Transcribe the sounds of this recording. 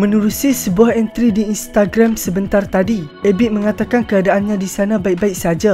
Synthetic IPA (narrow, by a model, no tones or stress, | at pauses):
mə̃nuɾusisəbuahɛnt̪ɾidiːnst̪aɡɾamsəbənt̪art̪adi | ɛbiʔ̚mə̃ŋat̪akankəadaʔanɲãdisanãbaik̚baik̚sad͡ʒa